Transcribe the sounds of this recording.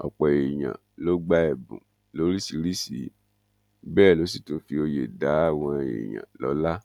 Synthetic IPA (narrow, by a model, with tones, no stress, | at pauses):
ɔ̰˨k͡pɔ˨e˨j̃ã̰˨ | lo˨˦ɡ͡ba˦ɛ˨bṵ̃˨ | lo˨˦ɾi˦si˧ɾi˦sḭ˨˦ | bɛː˦˨lo˨˦s̬i˦˨to˧fi˧o˧je˨da˨˦a˦˨w̃ɔ̃˧ḛ˨j̃ã̰˨lɔ̰˨˦la˦